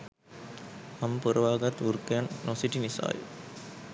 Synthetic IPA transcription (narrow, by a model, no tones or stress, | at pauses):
ampəɾəʋaːɡat̪uɾkəjanːosiʈinisa̰ːjə̰